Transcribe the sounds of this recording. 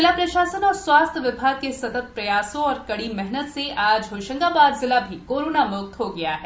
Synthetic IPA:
ɪlapɾɐʃaːsənɔːɾswaːst̪ʰʋɪbʱaːɡ̚kesɐt̪ət̪̚pɾɐjaːsõɔːɾkɐɽimɛɦnət̪seʔaːd͡ʒɦoːʃə̃ŋɡabaːɾzɪlabʱikoːɾoːnamʊk̚t̪ɦoɡɐjaɦɛː

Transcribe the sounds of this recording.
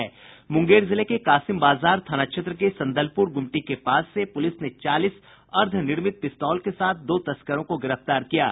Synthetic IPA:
ɛː | mʊ̃ŋɡeːɾzɪlekekaːsɪmbaːzaːɾt̪ʰaːnaːkʃʰet̪ɾəkesɐ̃nd̪əlpʊɾɡʊmʈikepaːsːepʊlɪsnet͡ʃaːlɪs | ɐɾd̪ʱnɪɾmɪt̪̚pɪst̪ɔːlkesaːt̪̚ʰd̪oːt̪ɐskəɾõkoɡɪɾəft̪aːɾkija̰ː

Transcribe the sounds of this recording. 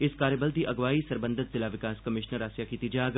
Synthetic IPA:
ɪskaːɾjəbəlt̪iʔɐɡʋaːisɐɾbə̃nd̪ʱɪt̪zɪlaʋɪkaːskɐmɪʃnəɾaːsjakit̪id͡ʒaːɡ

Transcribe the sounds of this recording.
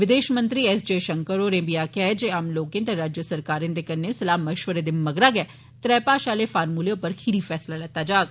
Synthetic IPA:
ʋɪd̪eːʃmə̃nt̪ɾiːɛsd͡ʒeːʃəŋkəɾoːɾẽːmbiaːkɛːd͡ʒeːaːmloːkẽnt̪eɾaːd͡ʒjəsəɾkaːɾẽnd̪eːkɐnːesɐlaːməʃʋəɾeːd̪ɪmmːəɡɾaːɡɛː | t̪ɾɛːpaːʃaːleːfaːɾmuːleopəɾkʰiɾiːfɛːslaːlɛt̪ːaːd͡ʒaːɡ

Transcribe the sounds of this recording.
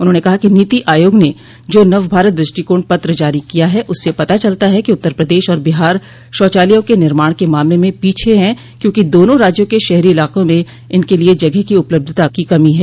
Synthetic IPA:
ʊnɦõːnekɐɦakiniːt̪iʔaːjoːɡne | d͡ʒoːnɐʋbʱaːɾət̪̚d̪ɾɪʃʈikoːɳ̚pɐt̪ɾəd͡ʒaːɾikijaɦɛʔʊsːepɐt̪at͡ʃɐlt̪aɦɛkiʊt̪ːəɾpɾɐd̪eːʃɔːɾbɪɦaːɾ | ʃɔːt͡ʃaːlijõkenɪɾmaːɽ̃kemaːmlemẽpiːt͡ʃʰeɦɛ̃ | kjõːkid̪oːnõɾaːd͡ʒjõkeʃɛɦɾiɪlaːqõmẽ | ɪnkelied͡ʒɐɡɛɦkiʊpləb̚d̪ʱt̪akikɐmiɦɛː

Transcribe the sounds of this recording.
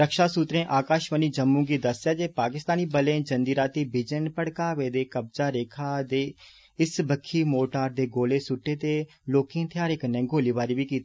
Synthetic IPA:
ɾəkʃaːsuːt̪ɾẽːʔaːkaːʃʋəniːd͡ʒəmːũːɡiːd̪əsjaːd͡ʒeːpaːkɪst̪aːniːbəlẽːd͡ʒənd̪iːɾaːt̪iːbɪd͡ʒənpəɽkaːʋeːd̪eːkəb̚d͡ʒaːɾeːkʰaːd̪eː | ɪsbəkʰːiːmoːʈaːɾd̪eːɡoːleːsʊʈːeːt̪eː | loːkẽːt̪ʰɪjaːɾeːkənːɛ̃ːɡoːliːʋaːɾiːʋiːkiːt̪e

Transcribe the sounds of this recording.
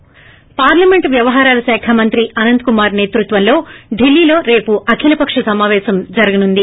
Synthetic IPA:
paːɾlɐmeɳʈʋjɐʋɐɦaːɾaːlɐʃɛːkʰɐmɐnt̪ɾiʔɐnɐnd̪̚kumaːɾne̞ːt̪ɾut̪ʋɐnlo̞ːɖilːiːlo̞ːɾe̞ːpuʔɐkʰilɐpɐkʂɐsɐmaːʋɛːʃɐmd͡ʒɐɾɐɡɐnund̪i

